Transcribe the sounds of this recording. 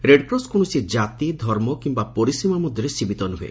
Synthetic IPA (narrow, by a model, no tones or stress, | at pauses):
ɾeɖpɾɔskɔɽ̃ɔsid͡ʒat̪id̪ʱɔɾmɔkimbapɔɾisimamud̪ʱjɔɾesibit̪ɔnuɦuḛ